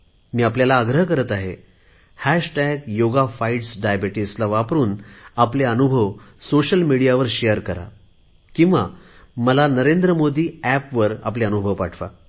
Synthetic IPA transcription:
miːapljalaːɡɾəɦkəɾət̪aɦe | hæɕʈæɡjoɡafaiʈsɖajabiʈislaʋapɾuːnapleənubʱəʋsoɕəlmiɽijaʋəɾɕejəɾkəɾa̰ | kĩw̃ʋa̰ | məlanəɾend̪ɾəmod̪ʱiːæpʋəɾa̰p̬leənubʱəʋpaʈʰʋa̰

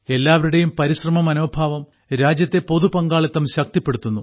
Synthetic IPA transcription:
e̞lːaːʋɐɾuɽejumpɐɾiɕrɐmɐmɐnoːbʱaːʋɐm | ɾaːd͡ʑjɐt̪ːe̞po̞ðupɐŋɡaːɭɐt̪ːɐmɕɐk̚t̪ipːe̞ɽut̪ːunːu

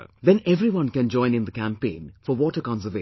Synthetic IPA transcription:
d̪ɛ̃nɛvɾiwʌ̃nkæ̃nd͡ʒɔ̃ɪ̃nɪ̃nd̪əkæ̃mpẽːnfɔwɔʈəkɑ̃nsəve

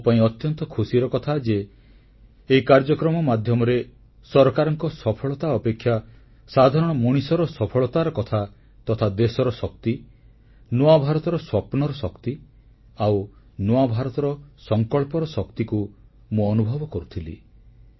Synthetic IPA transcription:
paĩɔt̪jɔnt̪ɔkʰusiɾɔkɔt̪ʰad͡ʒe | ikaɾd͡ʒɔkɾɔmɔmad̪ʱjɔmɔɾe | sɔɾɔkaɾɔŋkɔsɔpʰɔɭɔt̪aɔpekʰːja | sad̪ʱaɾɔɽ̃ɔmuɽ̃isɔɾɔsɔpʰɔɭɔt̪aɾɔkɔt̪ʰa | t̪ɔt̪ʰad̪esɔɾɔsɔk̚t̪i | noabʱaɾɔt̪ɔɾɔswɔpɔnɔɾɔsɔkt̪i | aw | noabʱaɾɔt̪ɔɾɔsɔŋkɔɭpɔɾɔsɔkt̪iku | mũɔnubʱɔbɔkɔɾut̪ʰilḭ

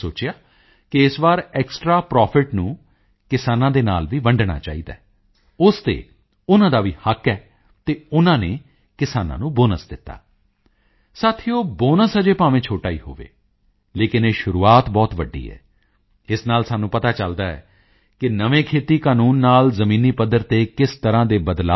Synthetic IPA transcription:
soːt͡ʃɪjaː | kɪɪsbaːɾɛːksʈɾaːpɾɔːpʰɪʈnũː | kɪsaːnãːd̪eːna̰ːlʋiːʋəɳɖɽa̰ːt͡ʃa̰ːiːd̪a̰ː | ʊst̪ḛː | ʊnãːd̪aːʋiːhəkɛː | t̪eːʊnãːneː | kɪsaːnã̰ːnũːboːnəsd̪ɪt̪ːa̰ː | saːt̪ʰioːboːnəsəd͡ʒeːpaːʋẽːt͡ʃʰoːʈaːḭːɦo̰ːʋḛː | leːkɪneːʃʊɾuːaːt̪bɔːt̪ʋəɖḭːɦɛ̰ː | ɪsnaːlsaːnũːpət̪aːt͡ʃəld̪aːɛ̰ː | kɪnəʋẽːkʰeːt̪iːkaːnuːnːaːlzəmĩːniːpəd̪əɾt̪eːkɪst̪əɾãːd̪eːbəd̪laː

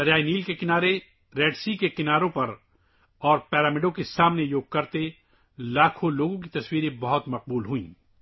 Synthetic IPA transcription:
ɐɾjaːiniːlkekɪnaːɾe | ɾeːɖsikekɪnaːɾõpɐɾ | ɔːɾpɛːɾaːmɪɖõkesaːmnejoːɡ̚kɐɾt̪e | laːkʰõloːɡõk̬it̪ɐswiːɾẽbɐɦʊt̪mɐq̚buːlɦʊĩː

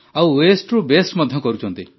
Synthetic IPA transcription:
awwesʈɾubesʈmɔd̪ʱjɔkɔɾut͡ʃʰɔnt̪i

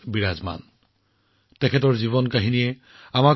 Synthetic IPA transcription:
biɹazma̰n | tɛkʰɛtɔɹziβɔnkaɦinijɛ | ama

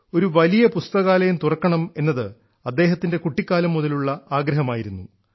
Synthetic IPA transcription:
o̞ɾuʋɐlijɐpust̪ɐɣaːlɐjumt̪urɐkːɐɳɐme̞nːɐðɨ | ɐd̪ːe̞ːɦɐt̪ːinde̞kuʈːikʲːaːlɐmːuðɐluɭːɐaːɡɾɐɦɐmaːjiɾunːu

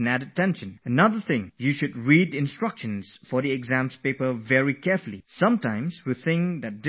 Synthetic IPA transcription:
næɾətɛ̃nʃə̃nənʌðə˞θɪ̃ŋjuʃɨd̚ɹidɪ̃nstɹ̥ʌkʃə̃nz̥fɔðiɛɡzæ̃mspeɪpəvɛɹikɛɹfəlˠisʌ̃mtãɪ̃mzwiθɪ̃ŋkðɨt̚d̥ɪ

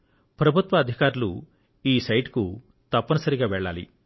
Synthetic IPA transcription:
pɾɐbʱut̪ʋɐːd̪ʱikaːɾulṵ | iːsɐjʈku | t̪ɐpːɐnɐsɐɾiɡaːʋɛɭːaːlḭ

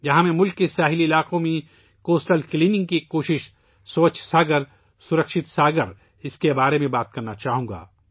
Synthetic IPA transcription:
jɐɦãmẽmʊlkːesaːɦɪliɪlaːqõmẽ | koːsʈəlkliːnɪ̃ŋɡ̚kikoːʃɪʃ | soːt͡ʃʰsaːɡəɾ | sʊɾəkʃɪt̪saːɡəɾ | ɪskebaːɾemẽbaːt̪̚kɐɾnat͡ʃaːɦũːɡa̰ː

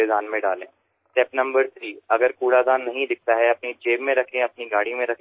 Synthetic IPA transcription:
ezaːnmẽɖaːlẽː | sʈɛːpnɐ̃mbəɾt̪ʰɾiːɐɡəɾkuːɽad̪aːnːɐɦĩd̪ɪk̚ʰt̪aɦɛɐpnid͡ʒeːbmẽɾɐkʰẽɐpniɡaːɽimẽɾɐkʰẽ

